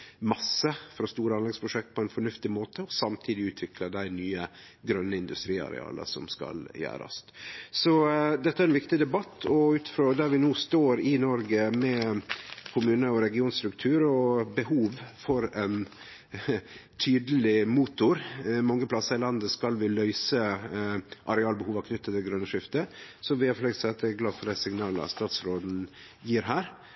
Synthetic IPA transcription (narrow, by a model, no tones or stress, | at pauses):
mɑsːəfɾɑst̪uːɾəɑnlɛɡspʰɾʊʂɛk̚t̪̚pʰɔɛnfɔɳʉft̪ɪmoːt̪ʰəɔsɑmt̪ʰiːd̪ɪʉːt̪ʰʋɪkʰləd̪æɪnyːə | ɡɾœnːəɪnd̪ʉst̪ɾiːɑ̰ɾɛ̰ɑ̰ːlə̰sɔmskɑ̰ljæ̰ːɾɑ̰ssɔd̪ɛt̪ːæɾɛnʋɪkt̪ɪd̪ɛbɑt̪ʰːɔʉːt̪fɾɔd̪æɾʋɪnuːst̪oːɾɪnɔɾɡəmɛ | kʰʊmʉːnəɔɾɛɡɪuːnst̪ɾʉkt̪ʰʉːɾɔbəhuːʋfɔɾɛn | t̪ʰyːd̪əlɪmuːt̪ʊɾmɑŋːəpʰlɑsəɾɪlɑnd̪əskɑlʋɪlœʏsə | ʔɑɾɛɑːlbəhuːʋɑkʰnʏt̪ːət̪ʰːɪlɡɾœnːəʂɪft̪əsɔʋɪhɑɾfløːɡ̪sɛɑt̪̚d̪ɛɡlɑ̥ːfɔɖ̪æɪsɪŋnɑːlɑ̰st̪ɑːt̪sɾoːd̪n̩ | jiːɾɦæːɾ